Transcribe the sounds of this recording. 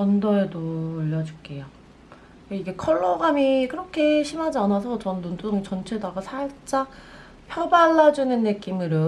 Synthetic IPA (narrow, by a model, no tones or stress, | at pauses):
t͡ɕʌndʌedoːʎːʌd͡ʑuk͈ejo | keiɡe̞kʰʌɭːʌɡamikɯɾʌkʰe̞ɕʰimad͡ʑanasʰʌt͡ɕʌnːondoŋit͡ɕʌnt͡ɕʰedaɡasʰaɭt͡ɕ͈a | pʰjʌbaɭːad͡ʑunɯnːɯk͈imɯɾo